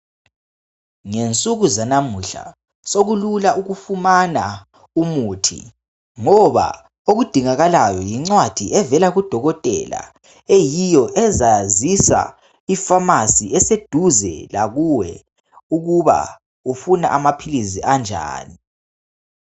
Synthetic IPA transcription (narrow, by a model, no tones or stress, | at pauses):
ŋent͡sʼuɣuzanamuɬa̰ | soɣululaʔuɣufumana | umuːtʰḭ | ŋɔβa̰ | oɣud̥ʱiŋaɣalajɔjiŋ͡ǀwad̥ʱiʔɛvɛlaɣud̥ʱɔɣɔtʼɛ̰la̰ | ejijɔʔɛzazisa̰ | ifamasiɛsed̥ʱuzɛ̰laɣuwɛ | uɣuβa̰ | ufuna̰ʔamapʰiliziʔand͡ʒʱa̰ːni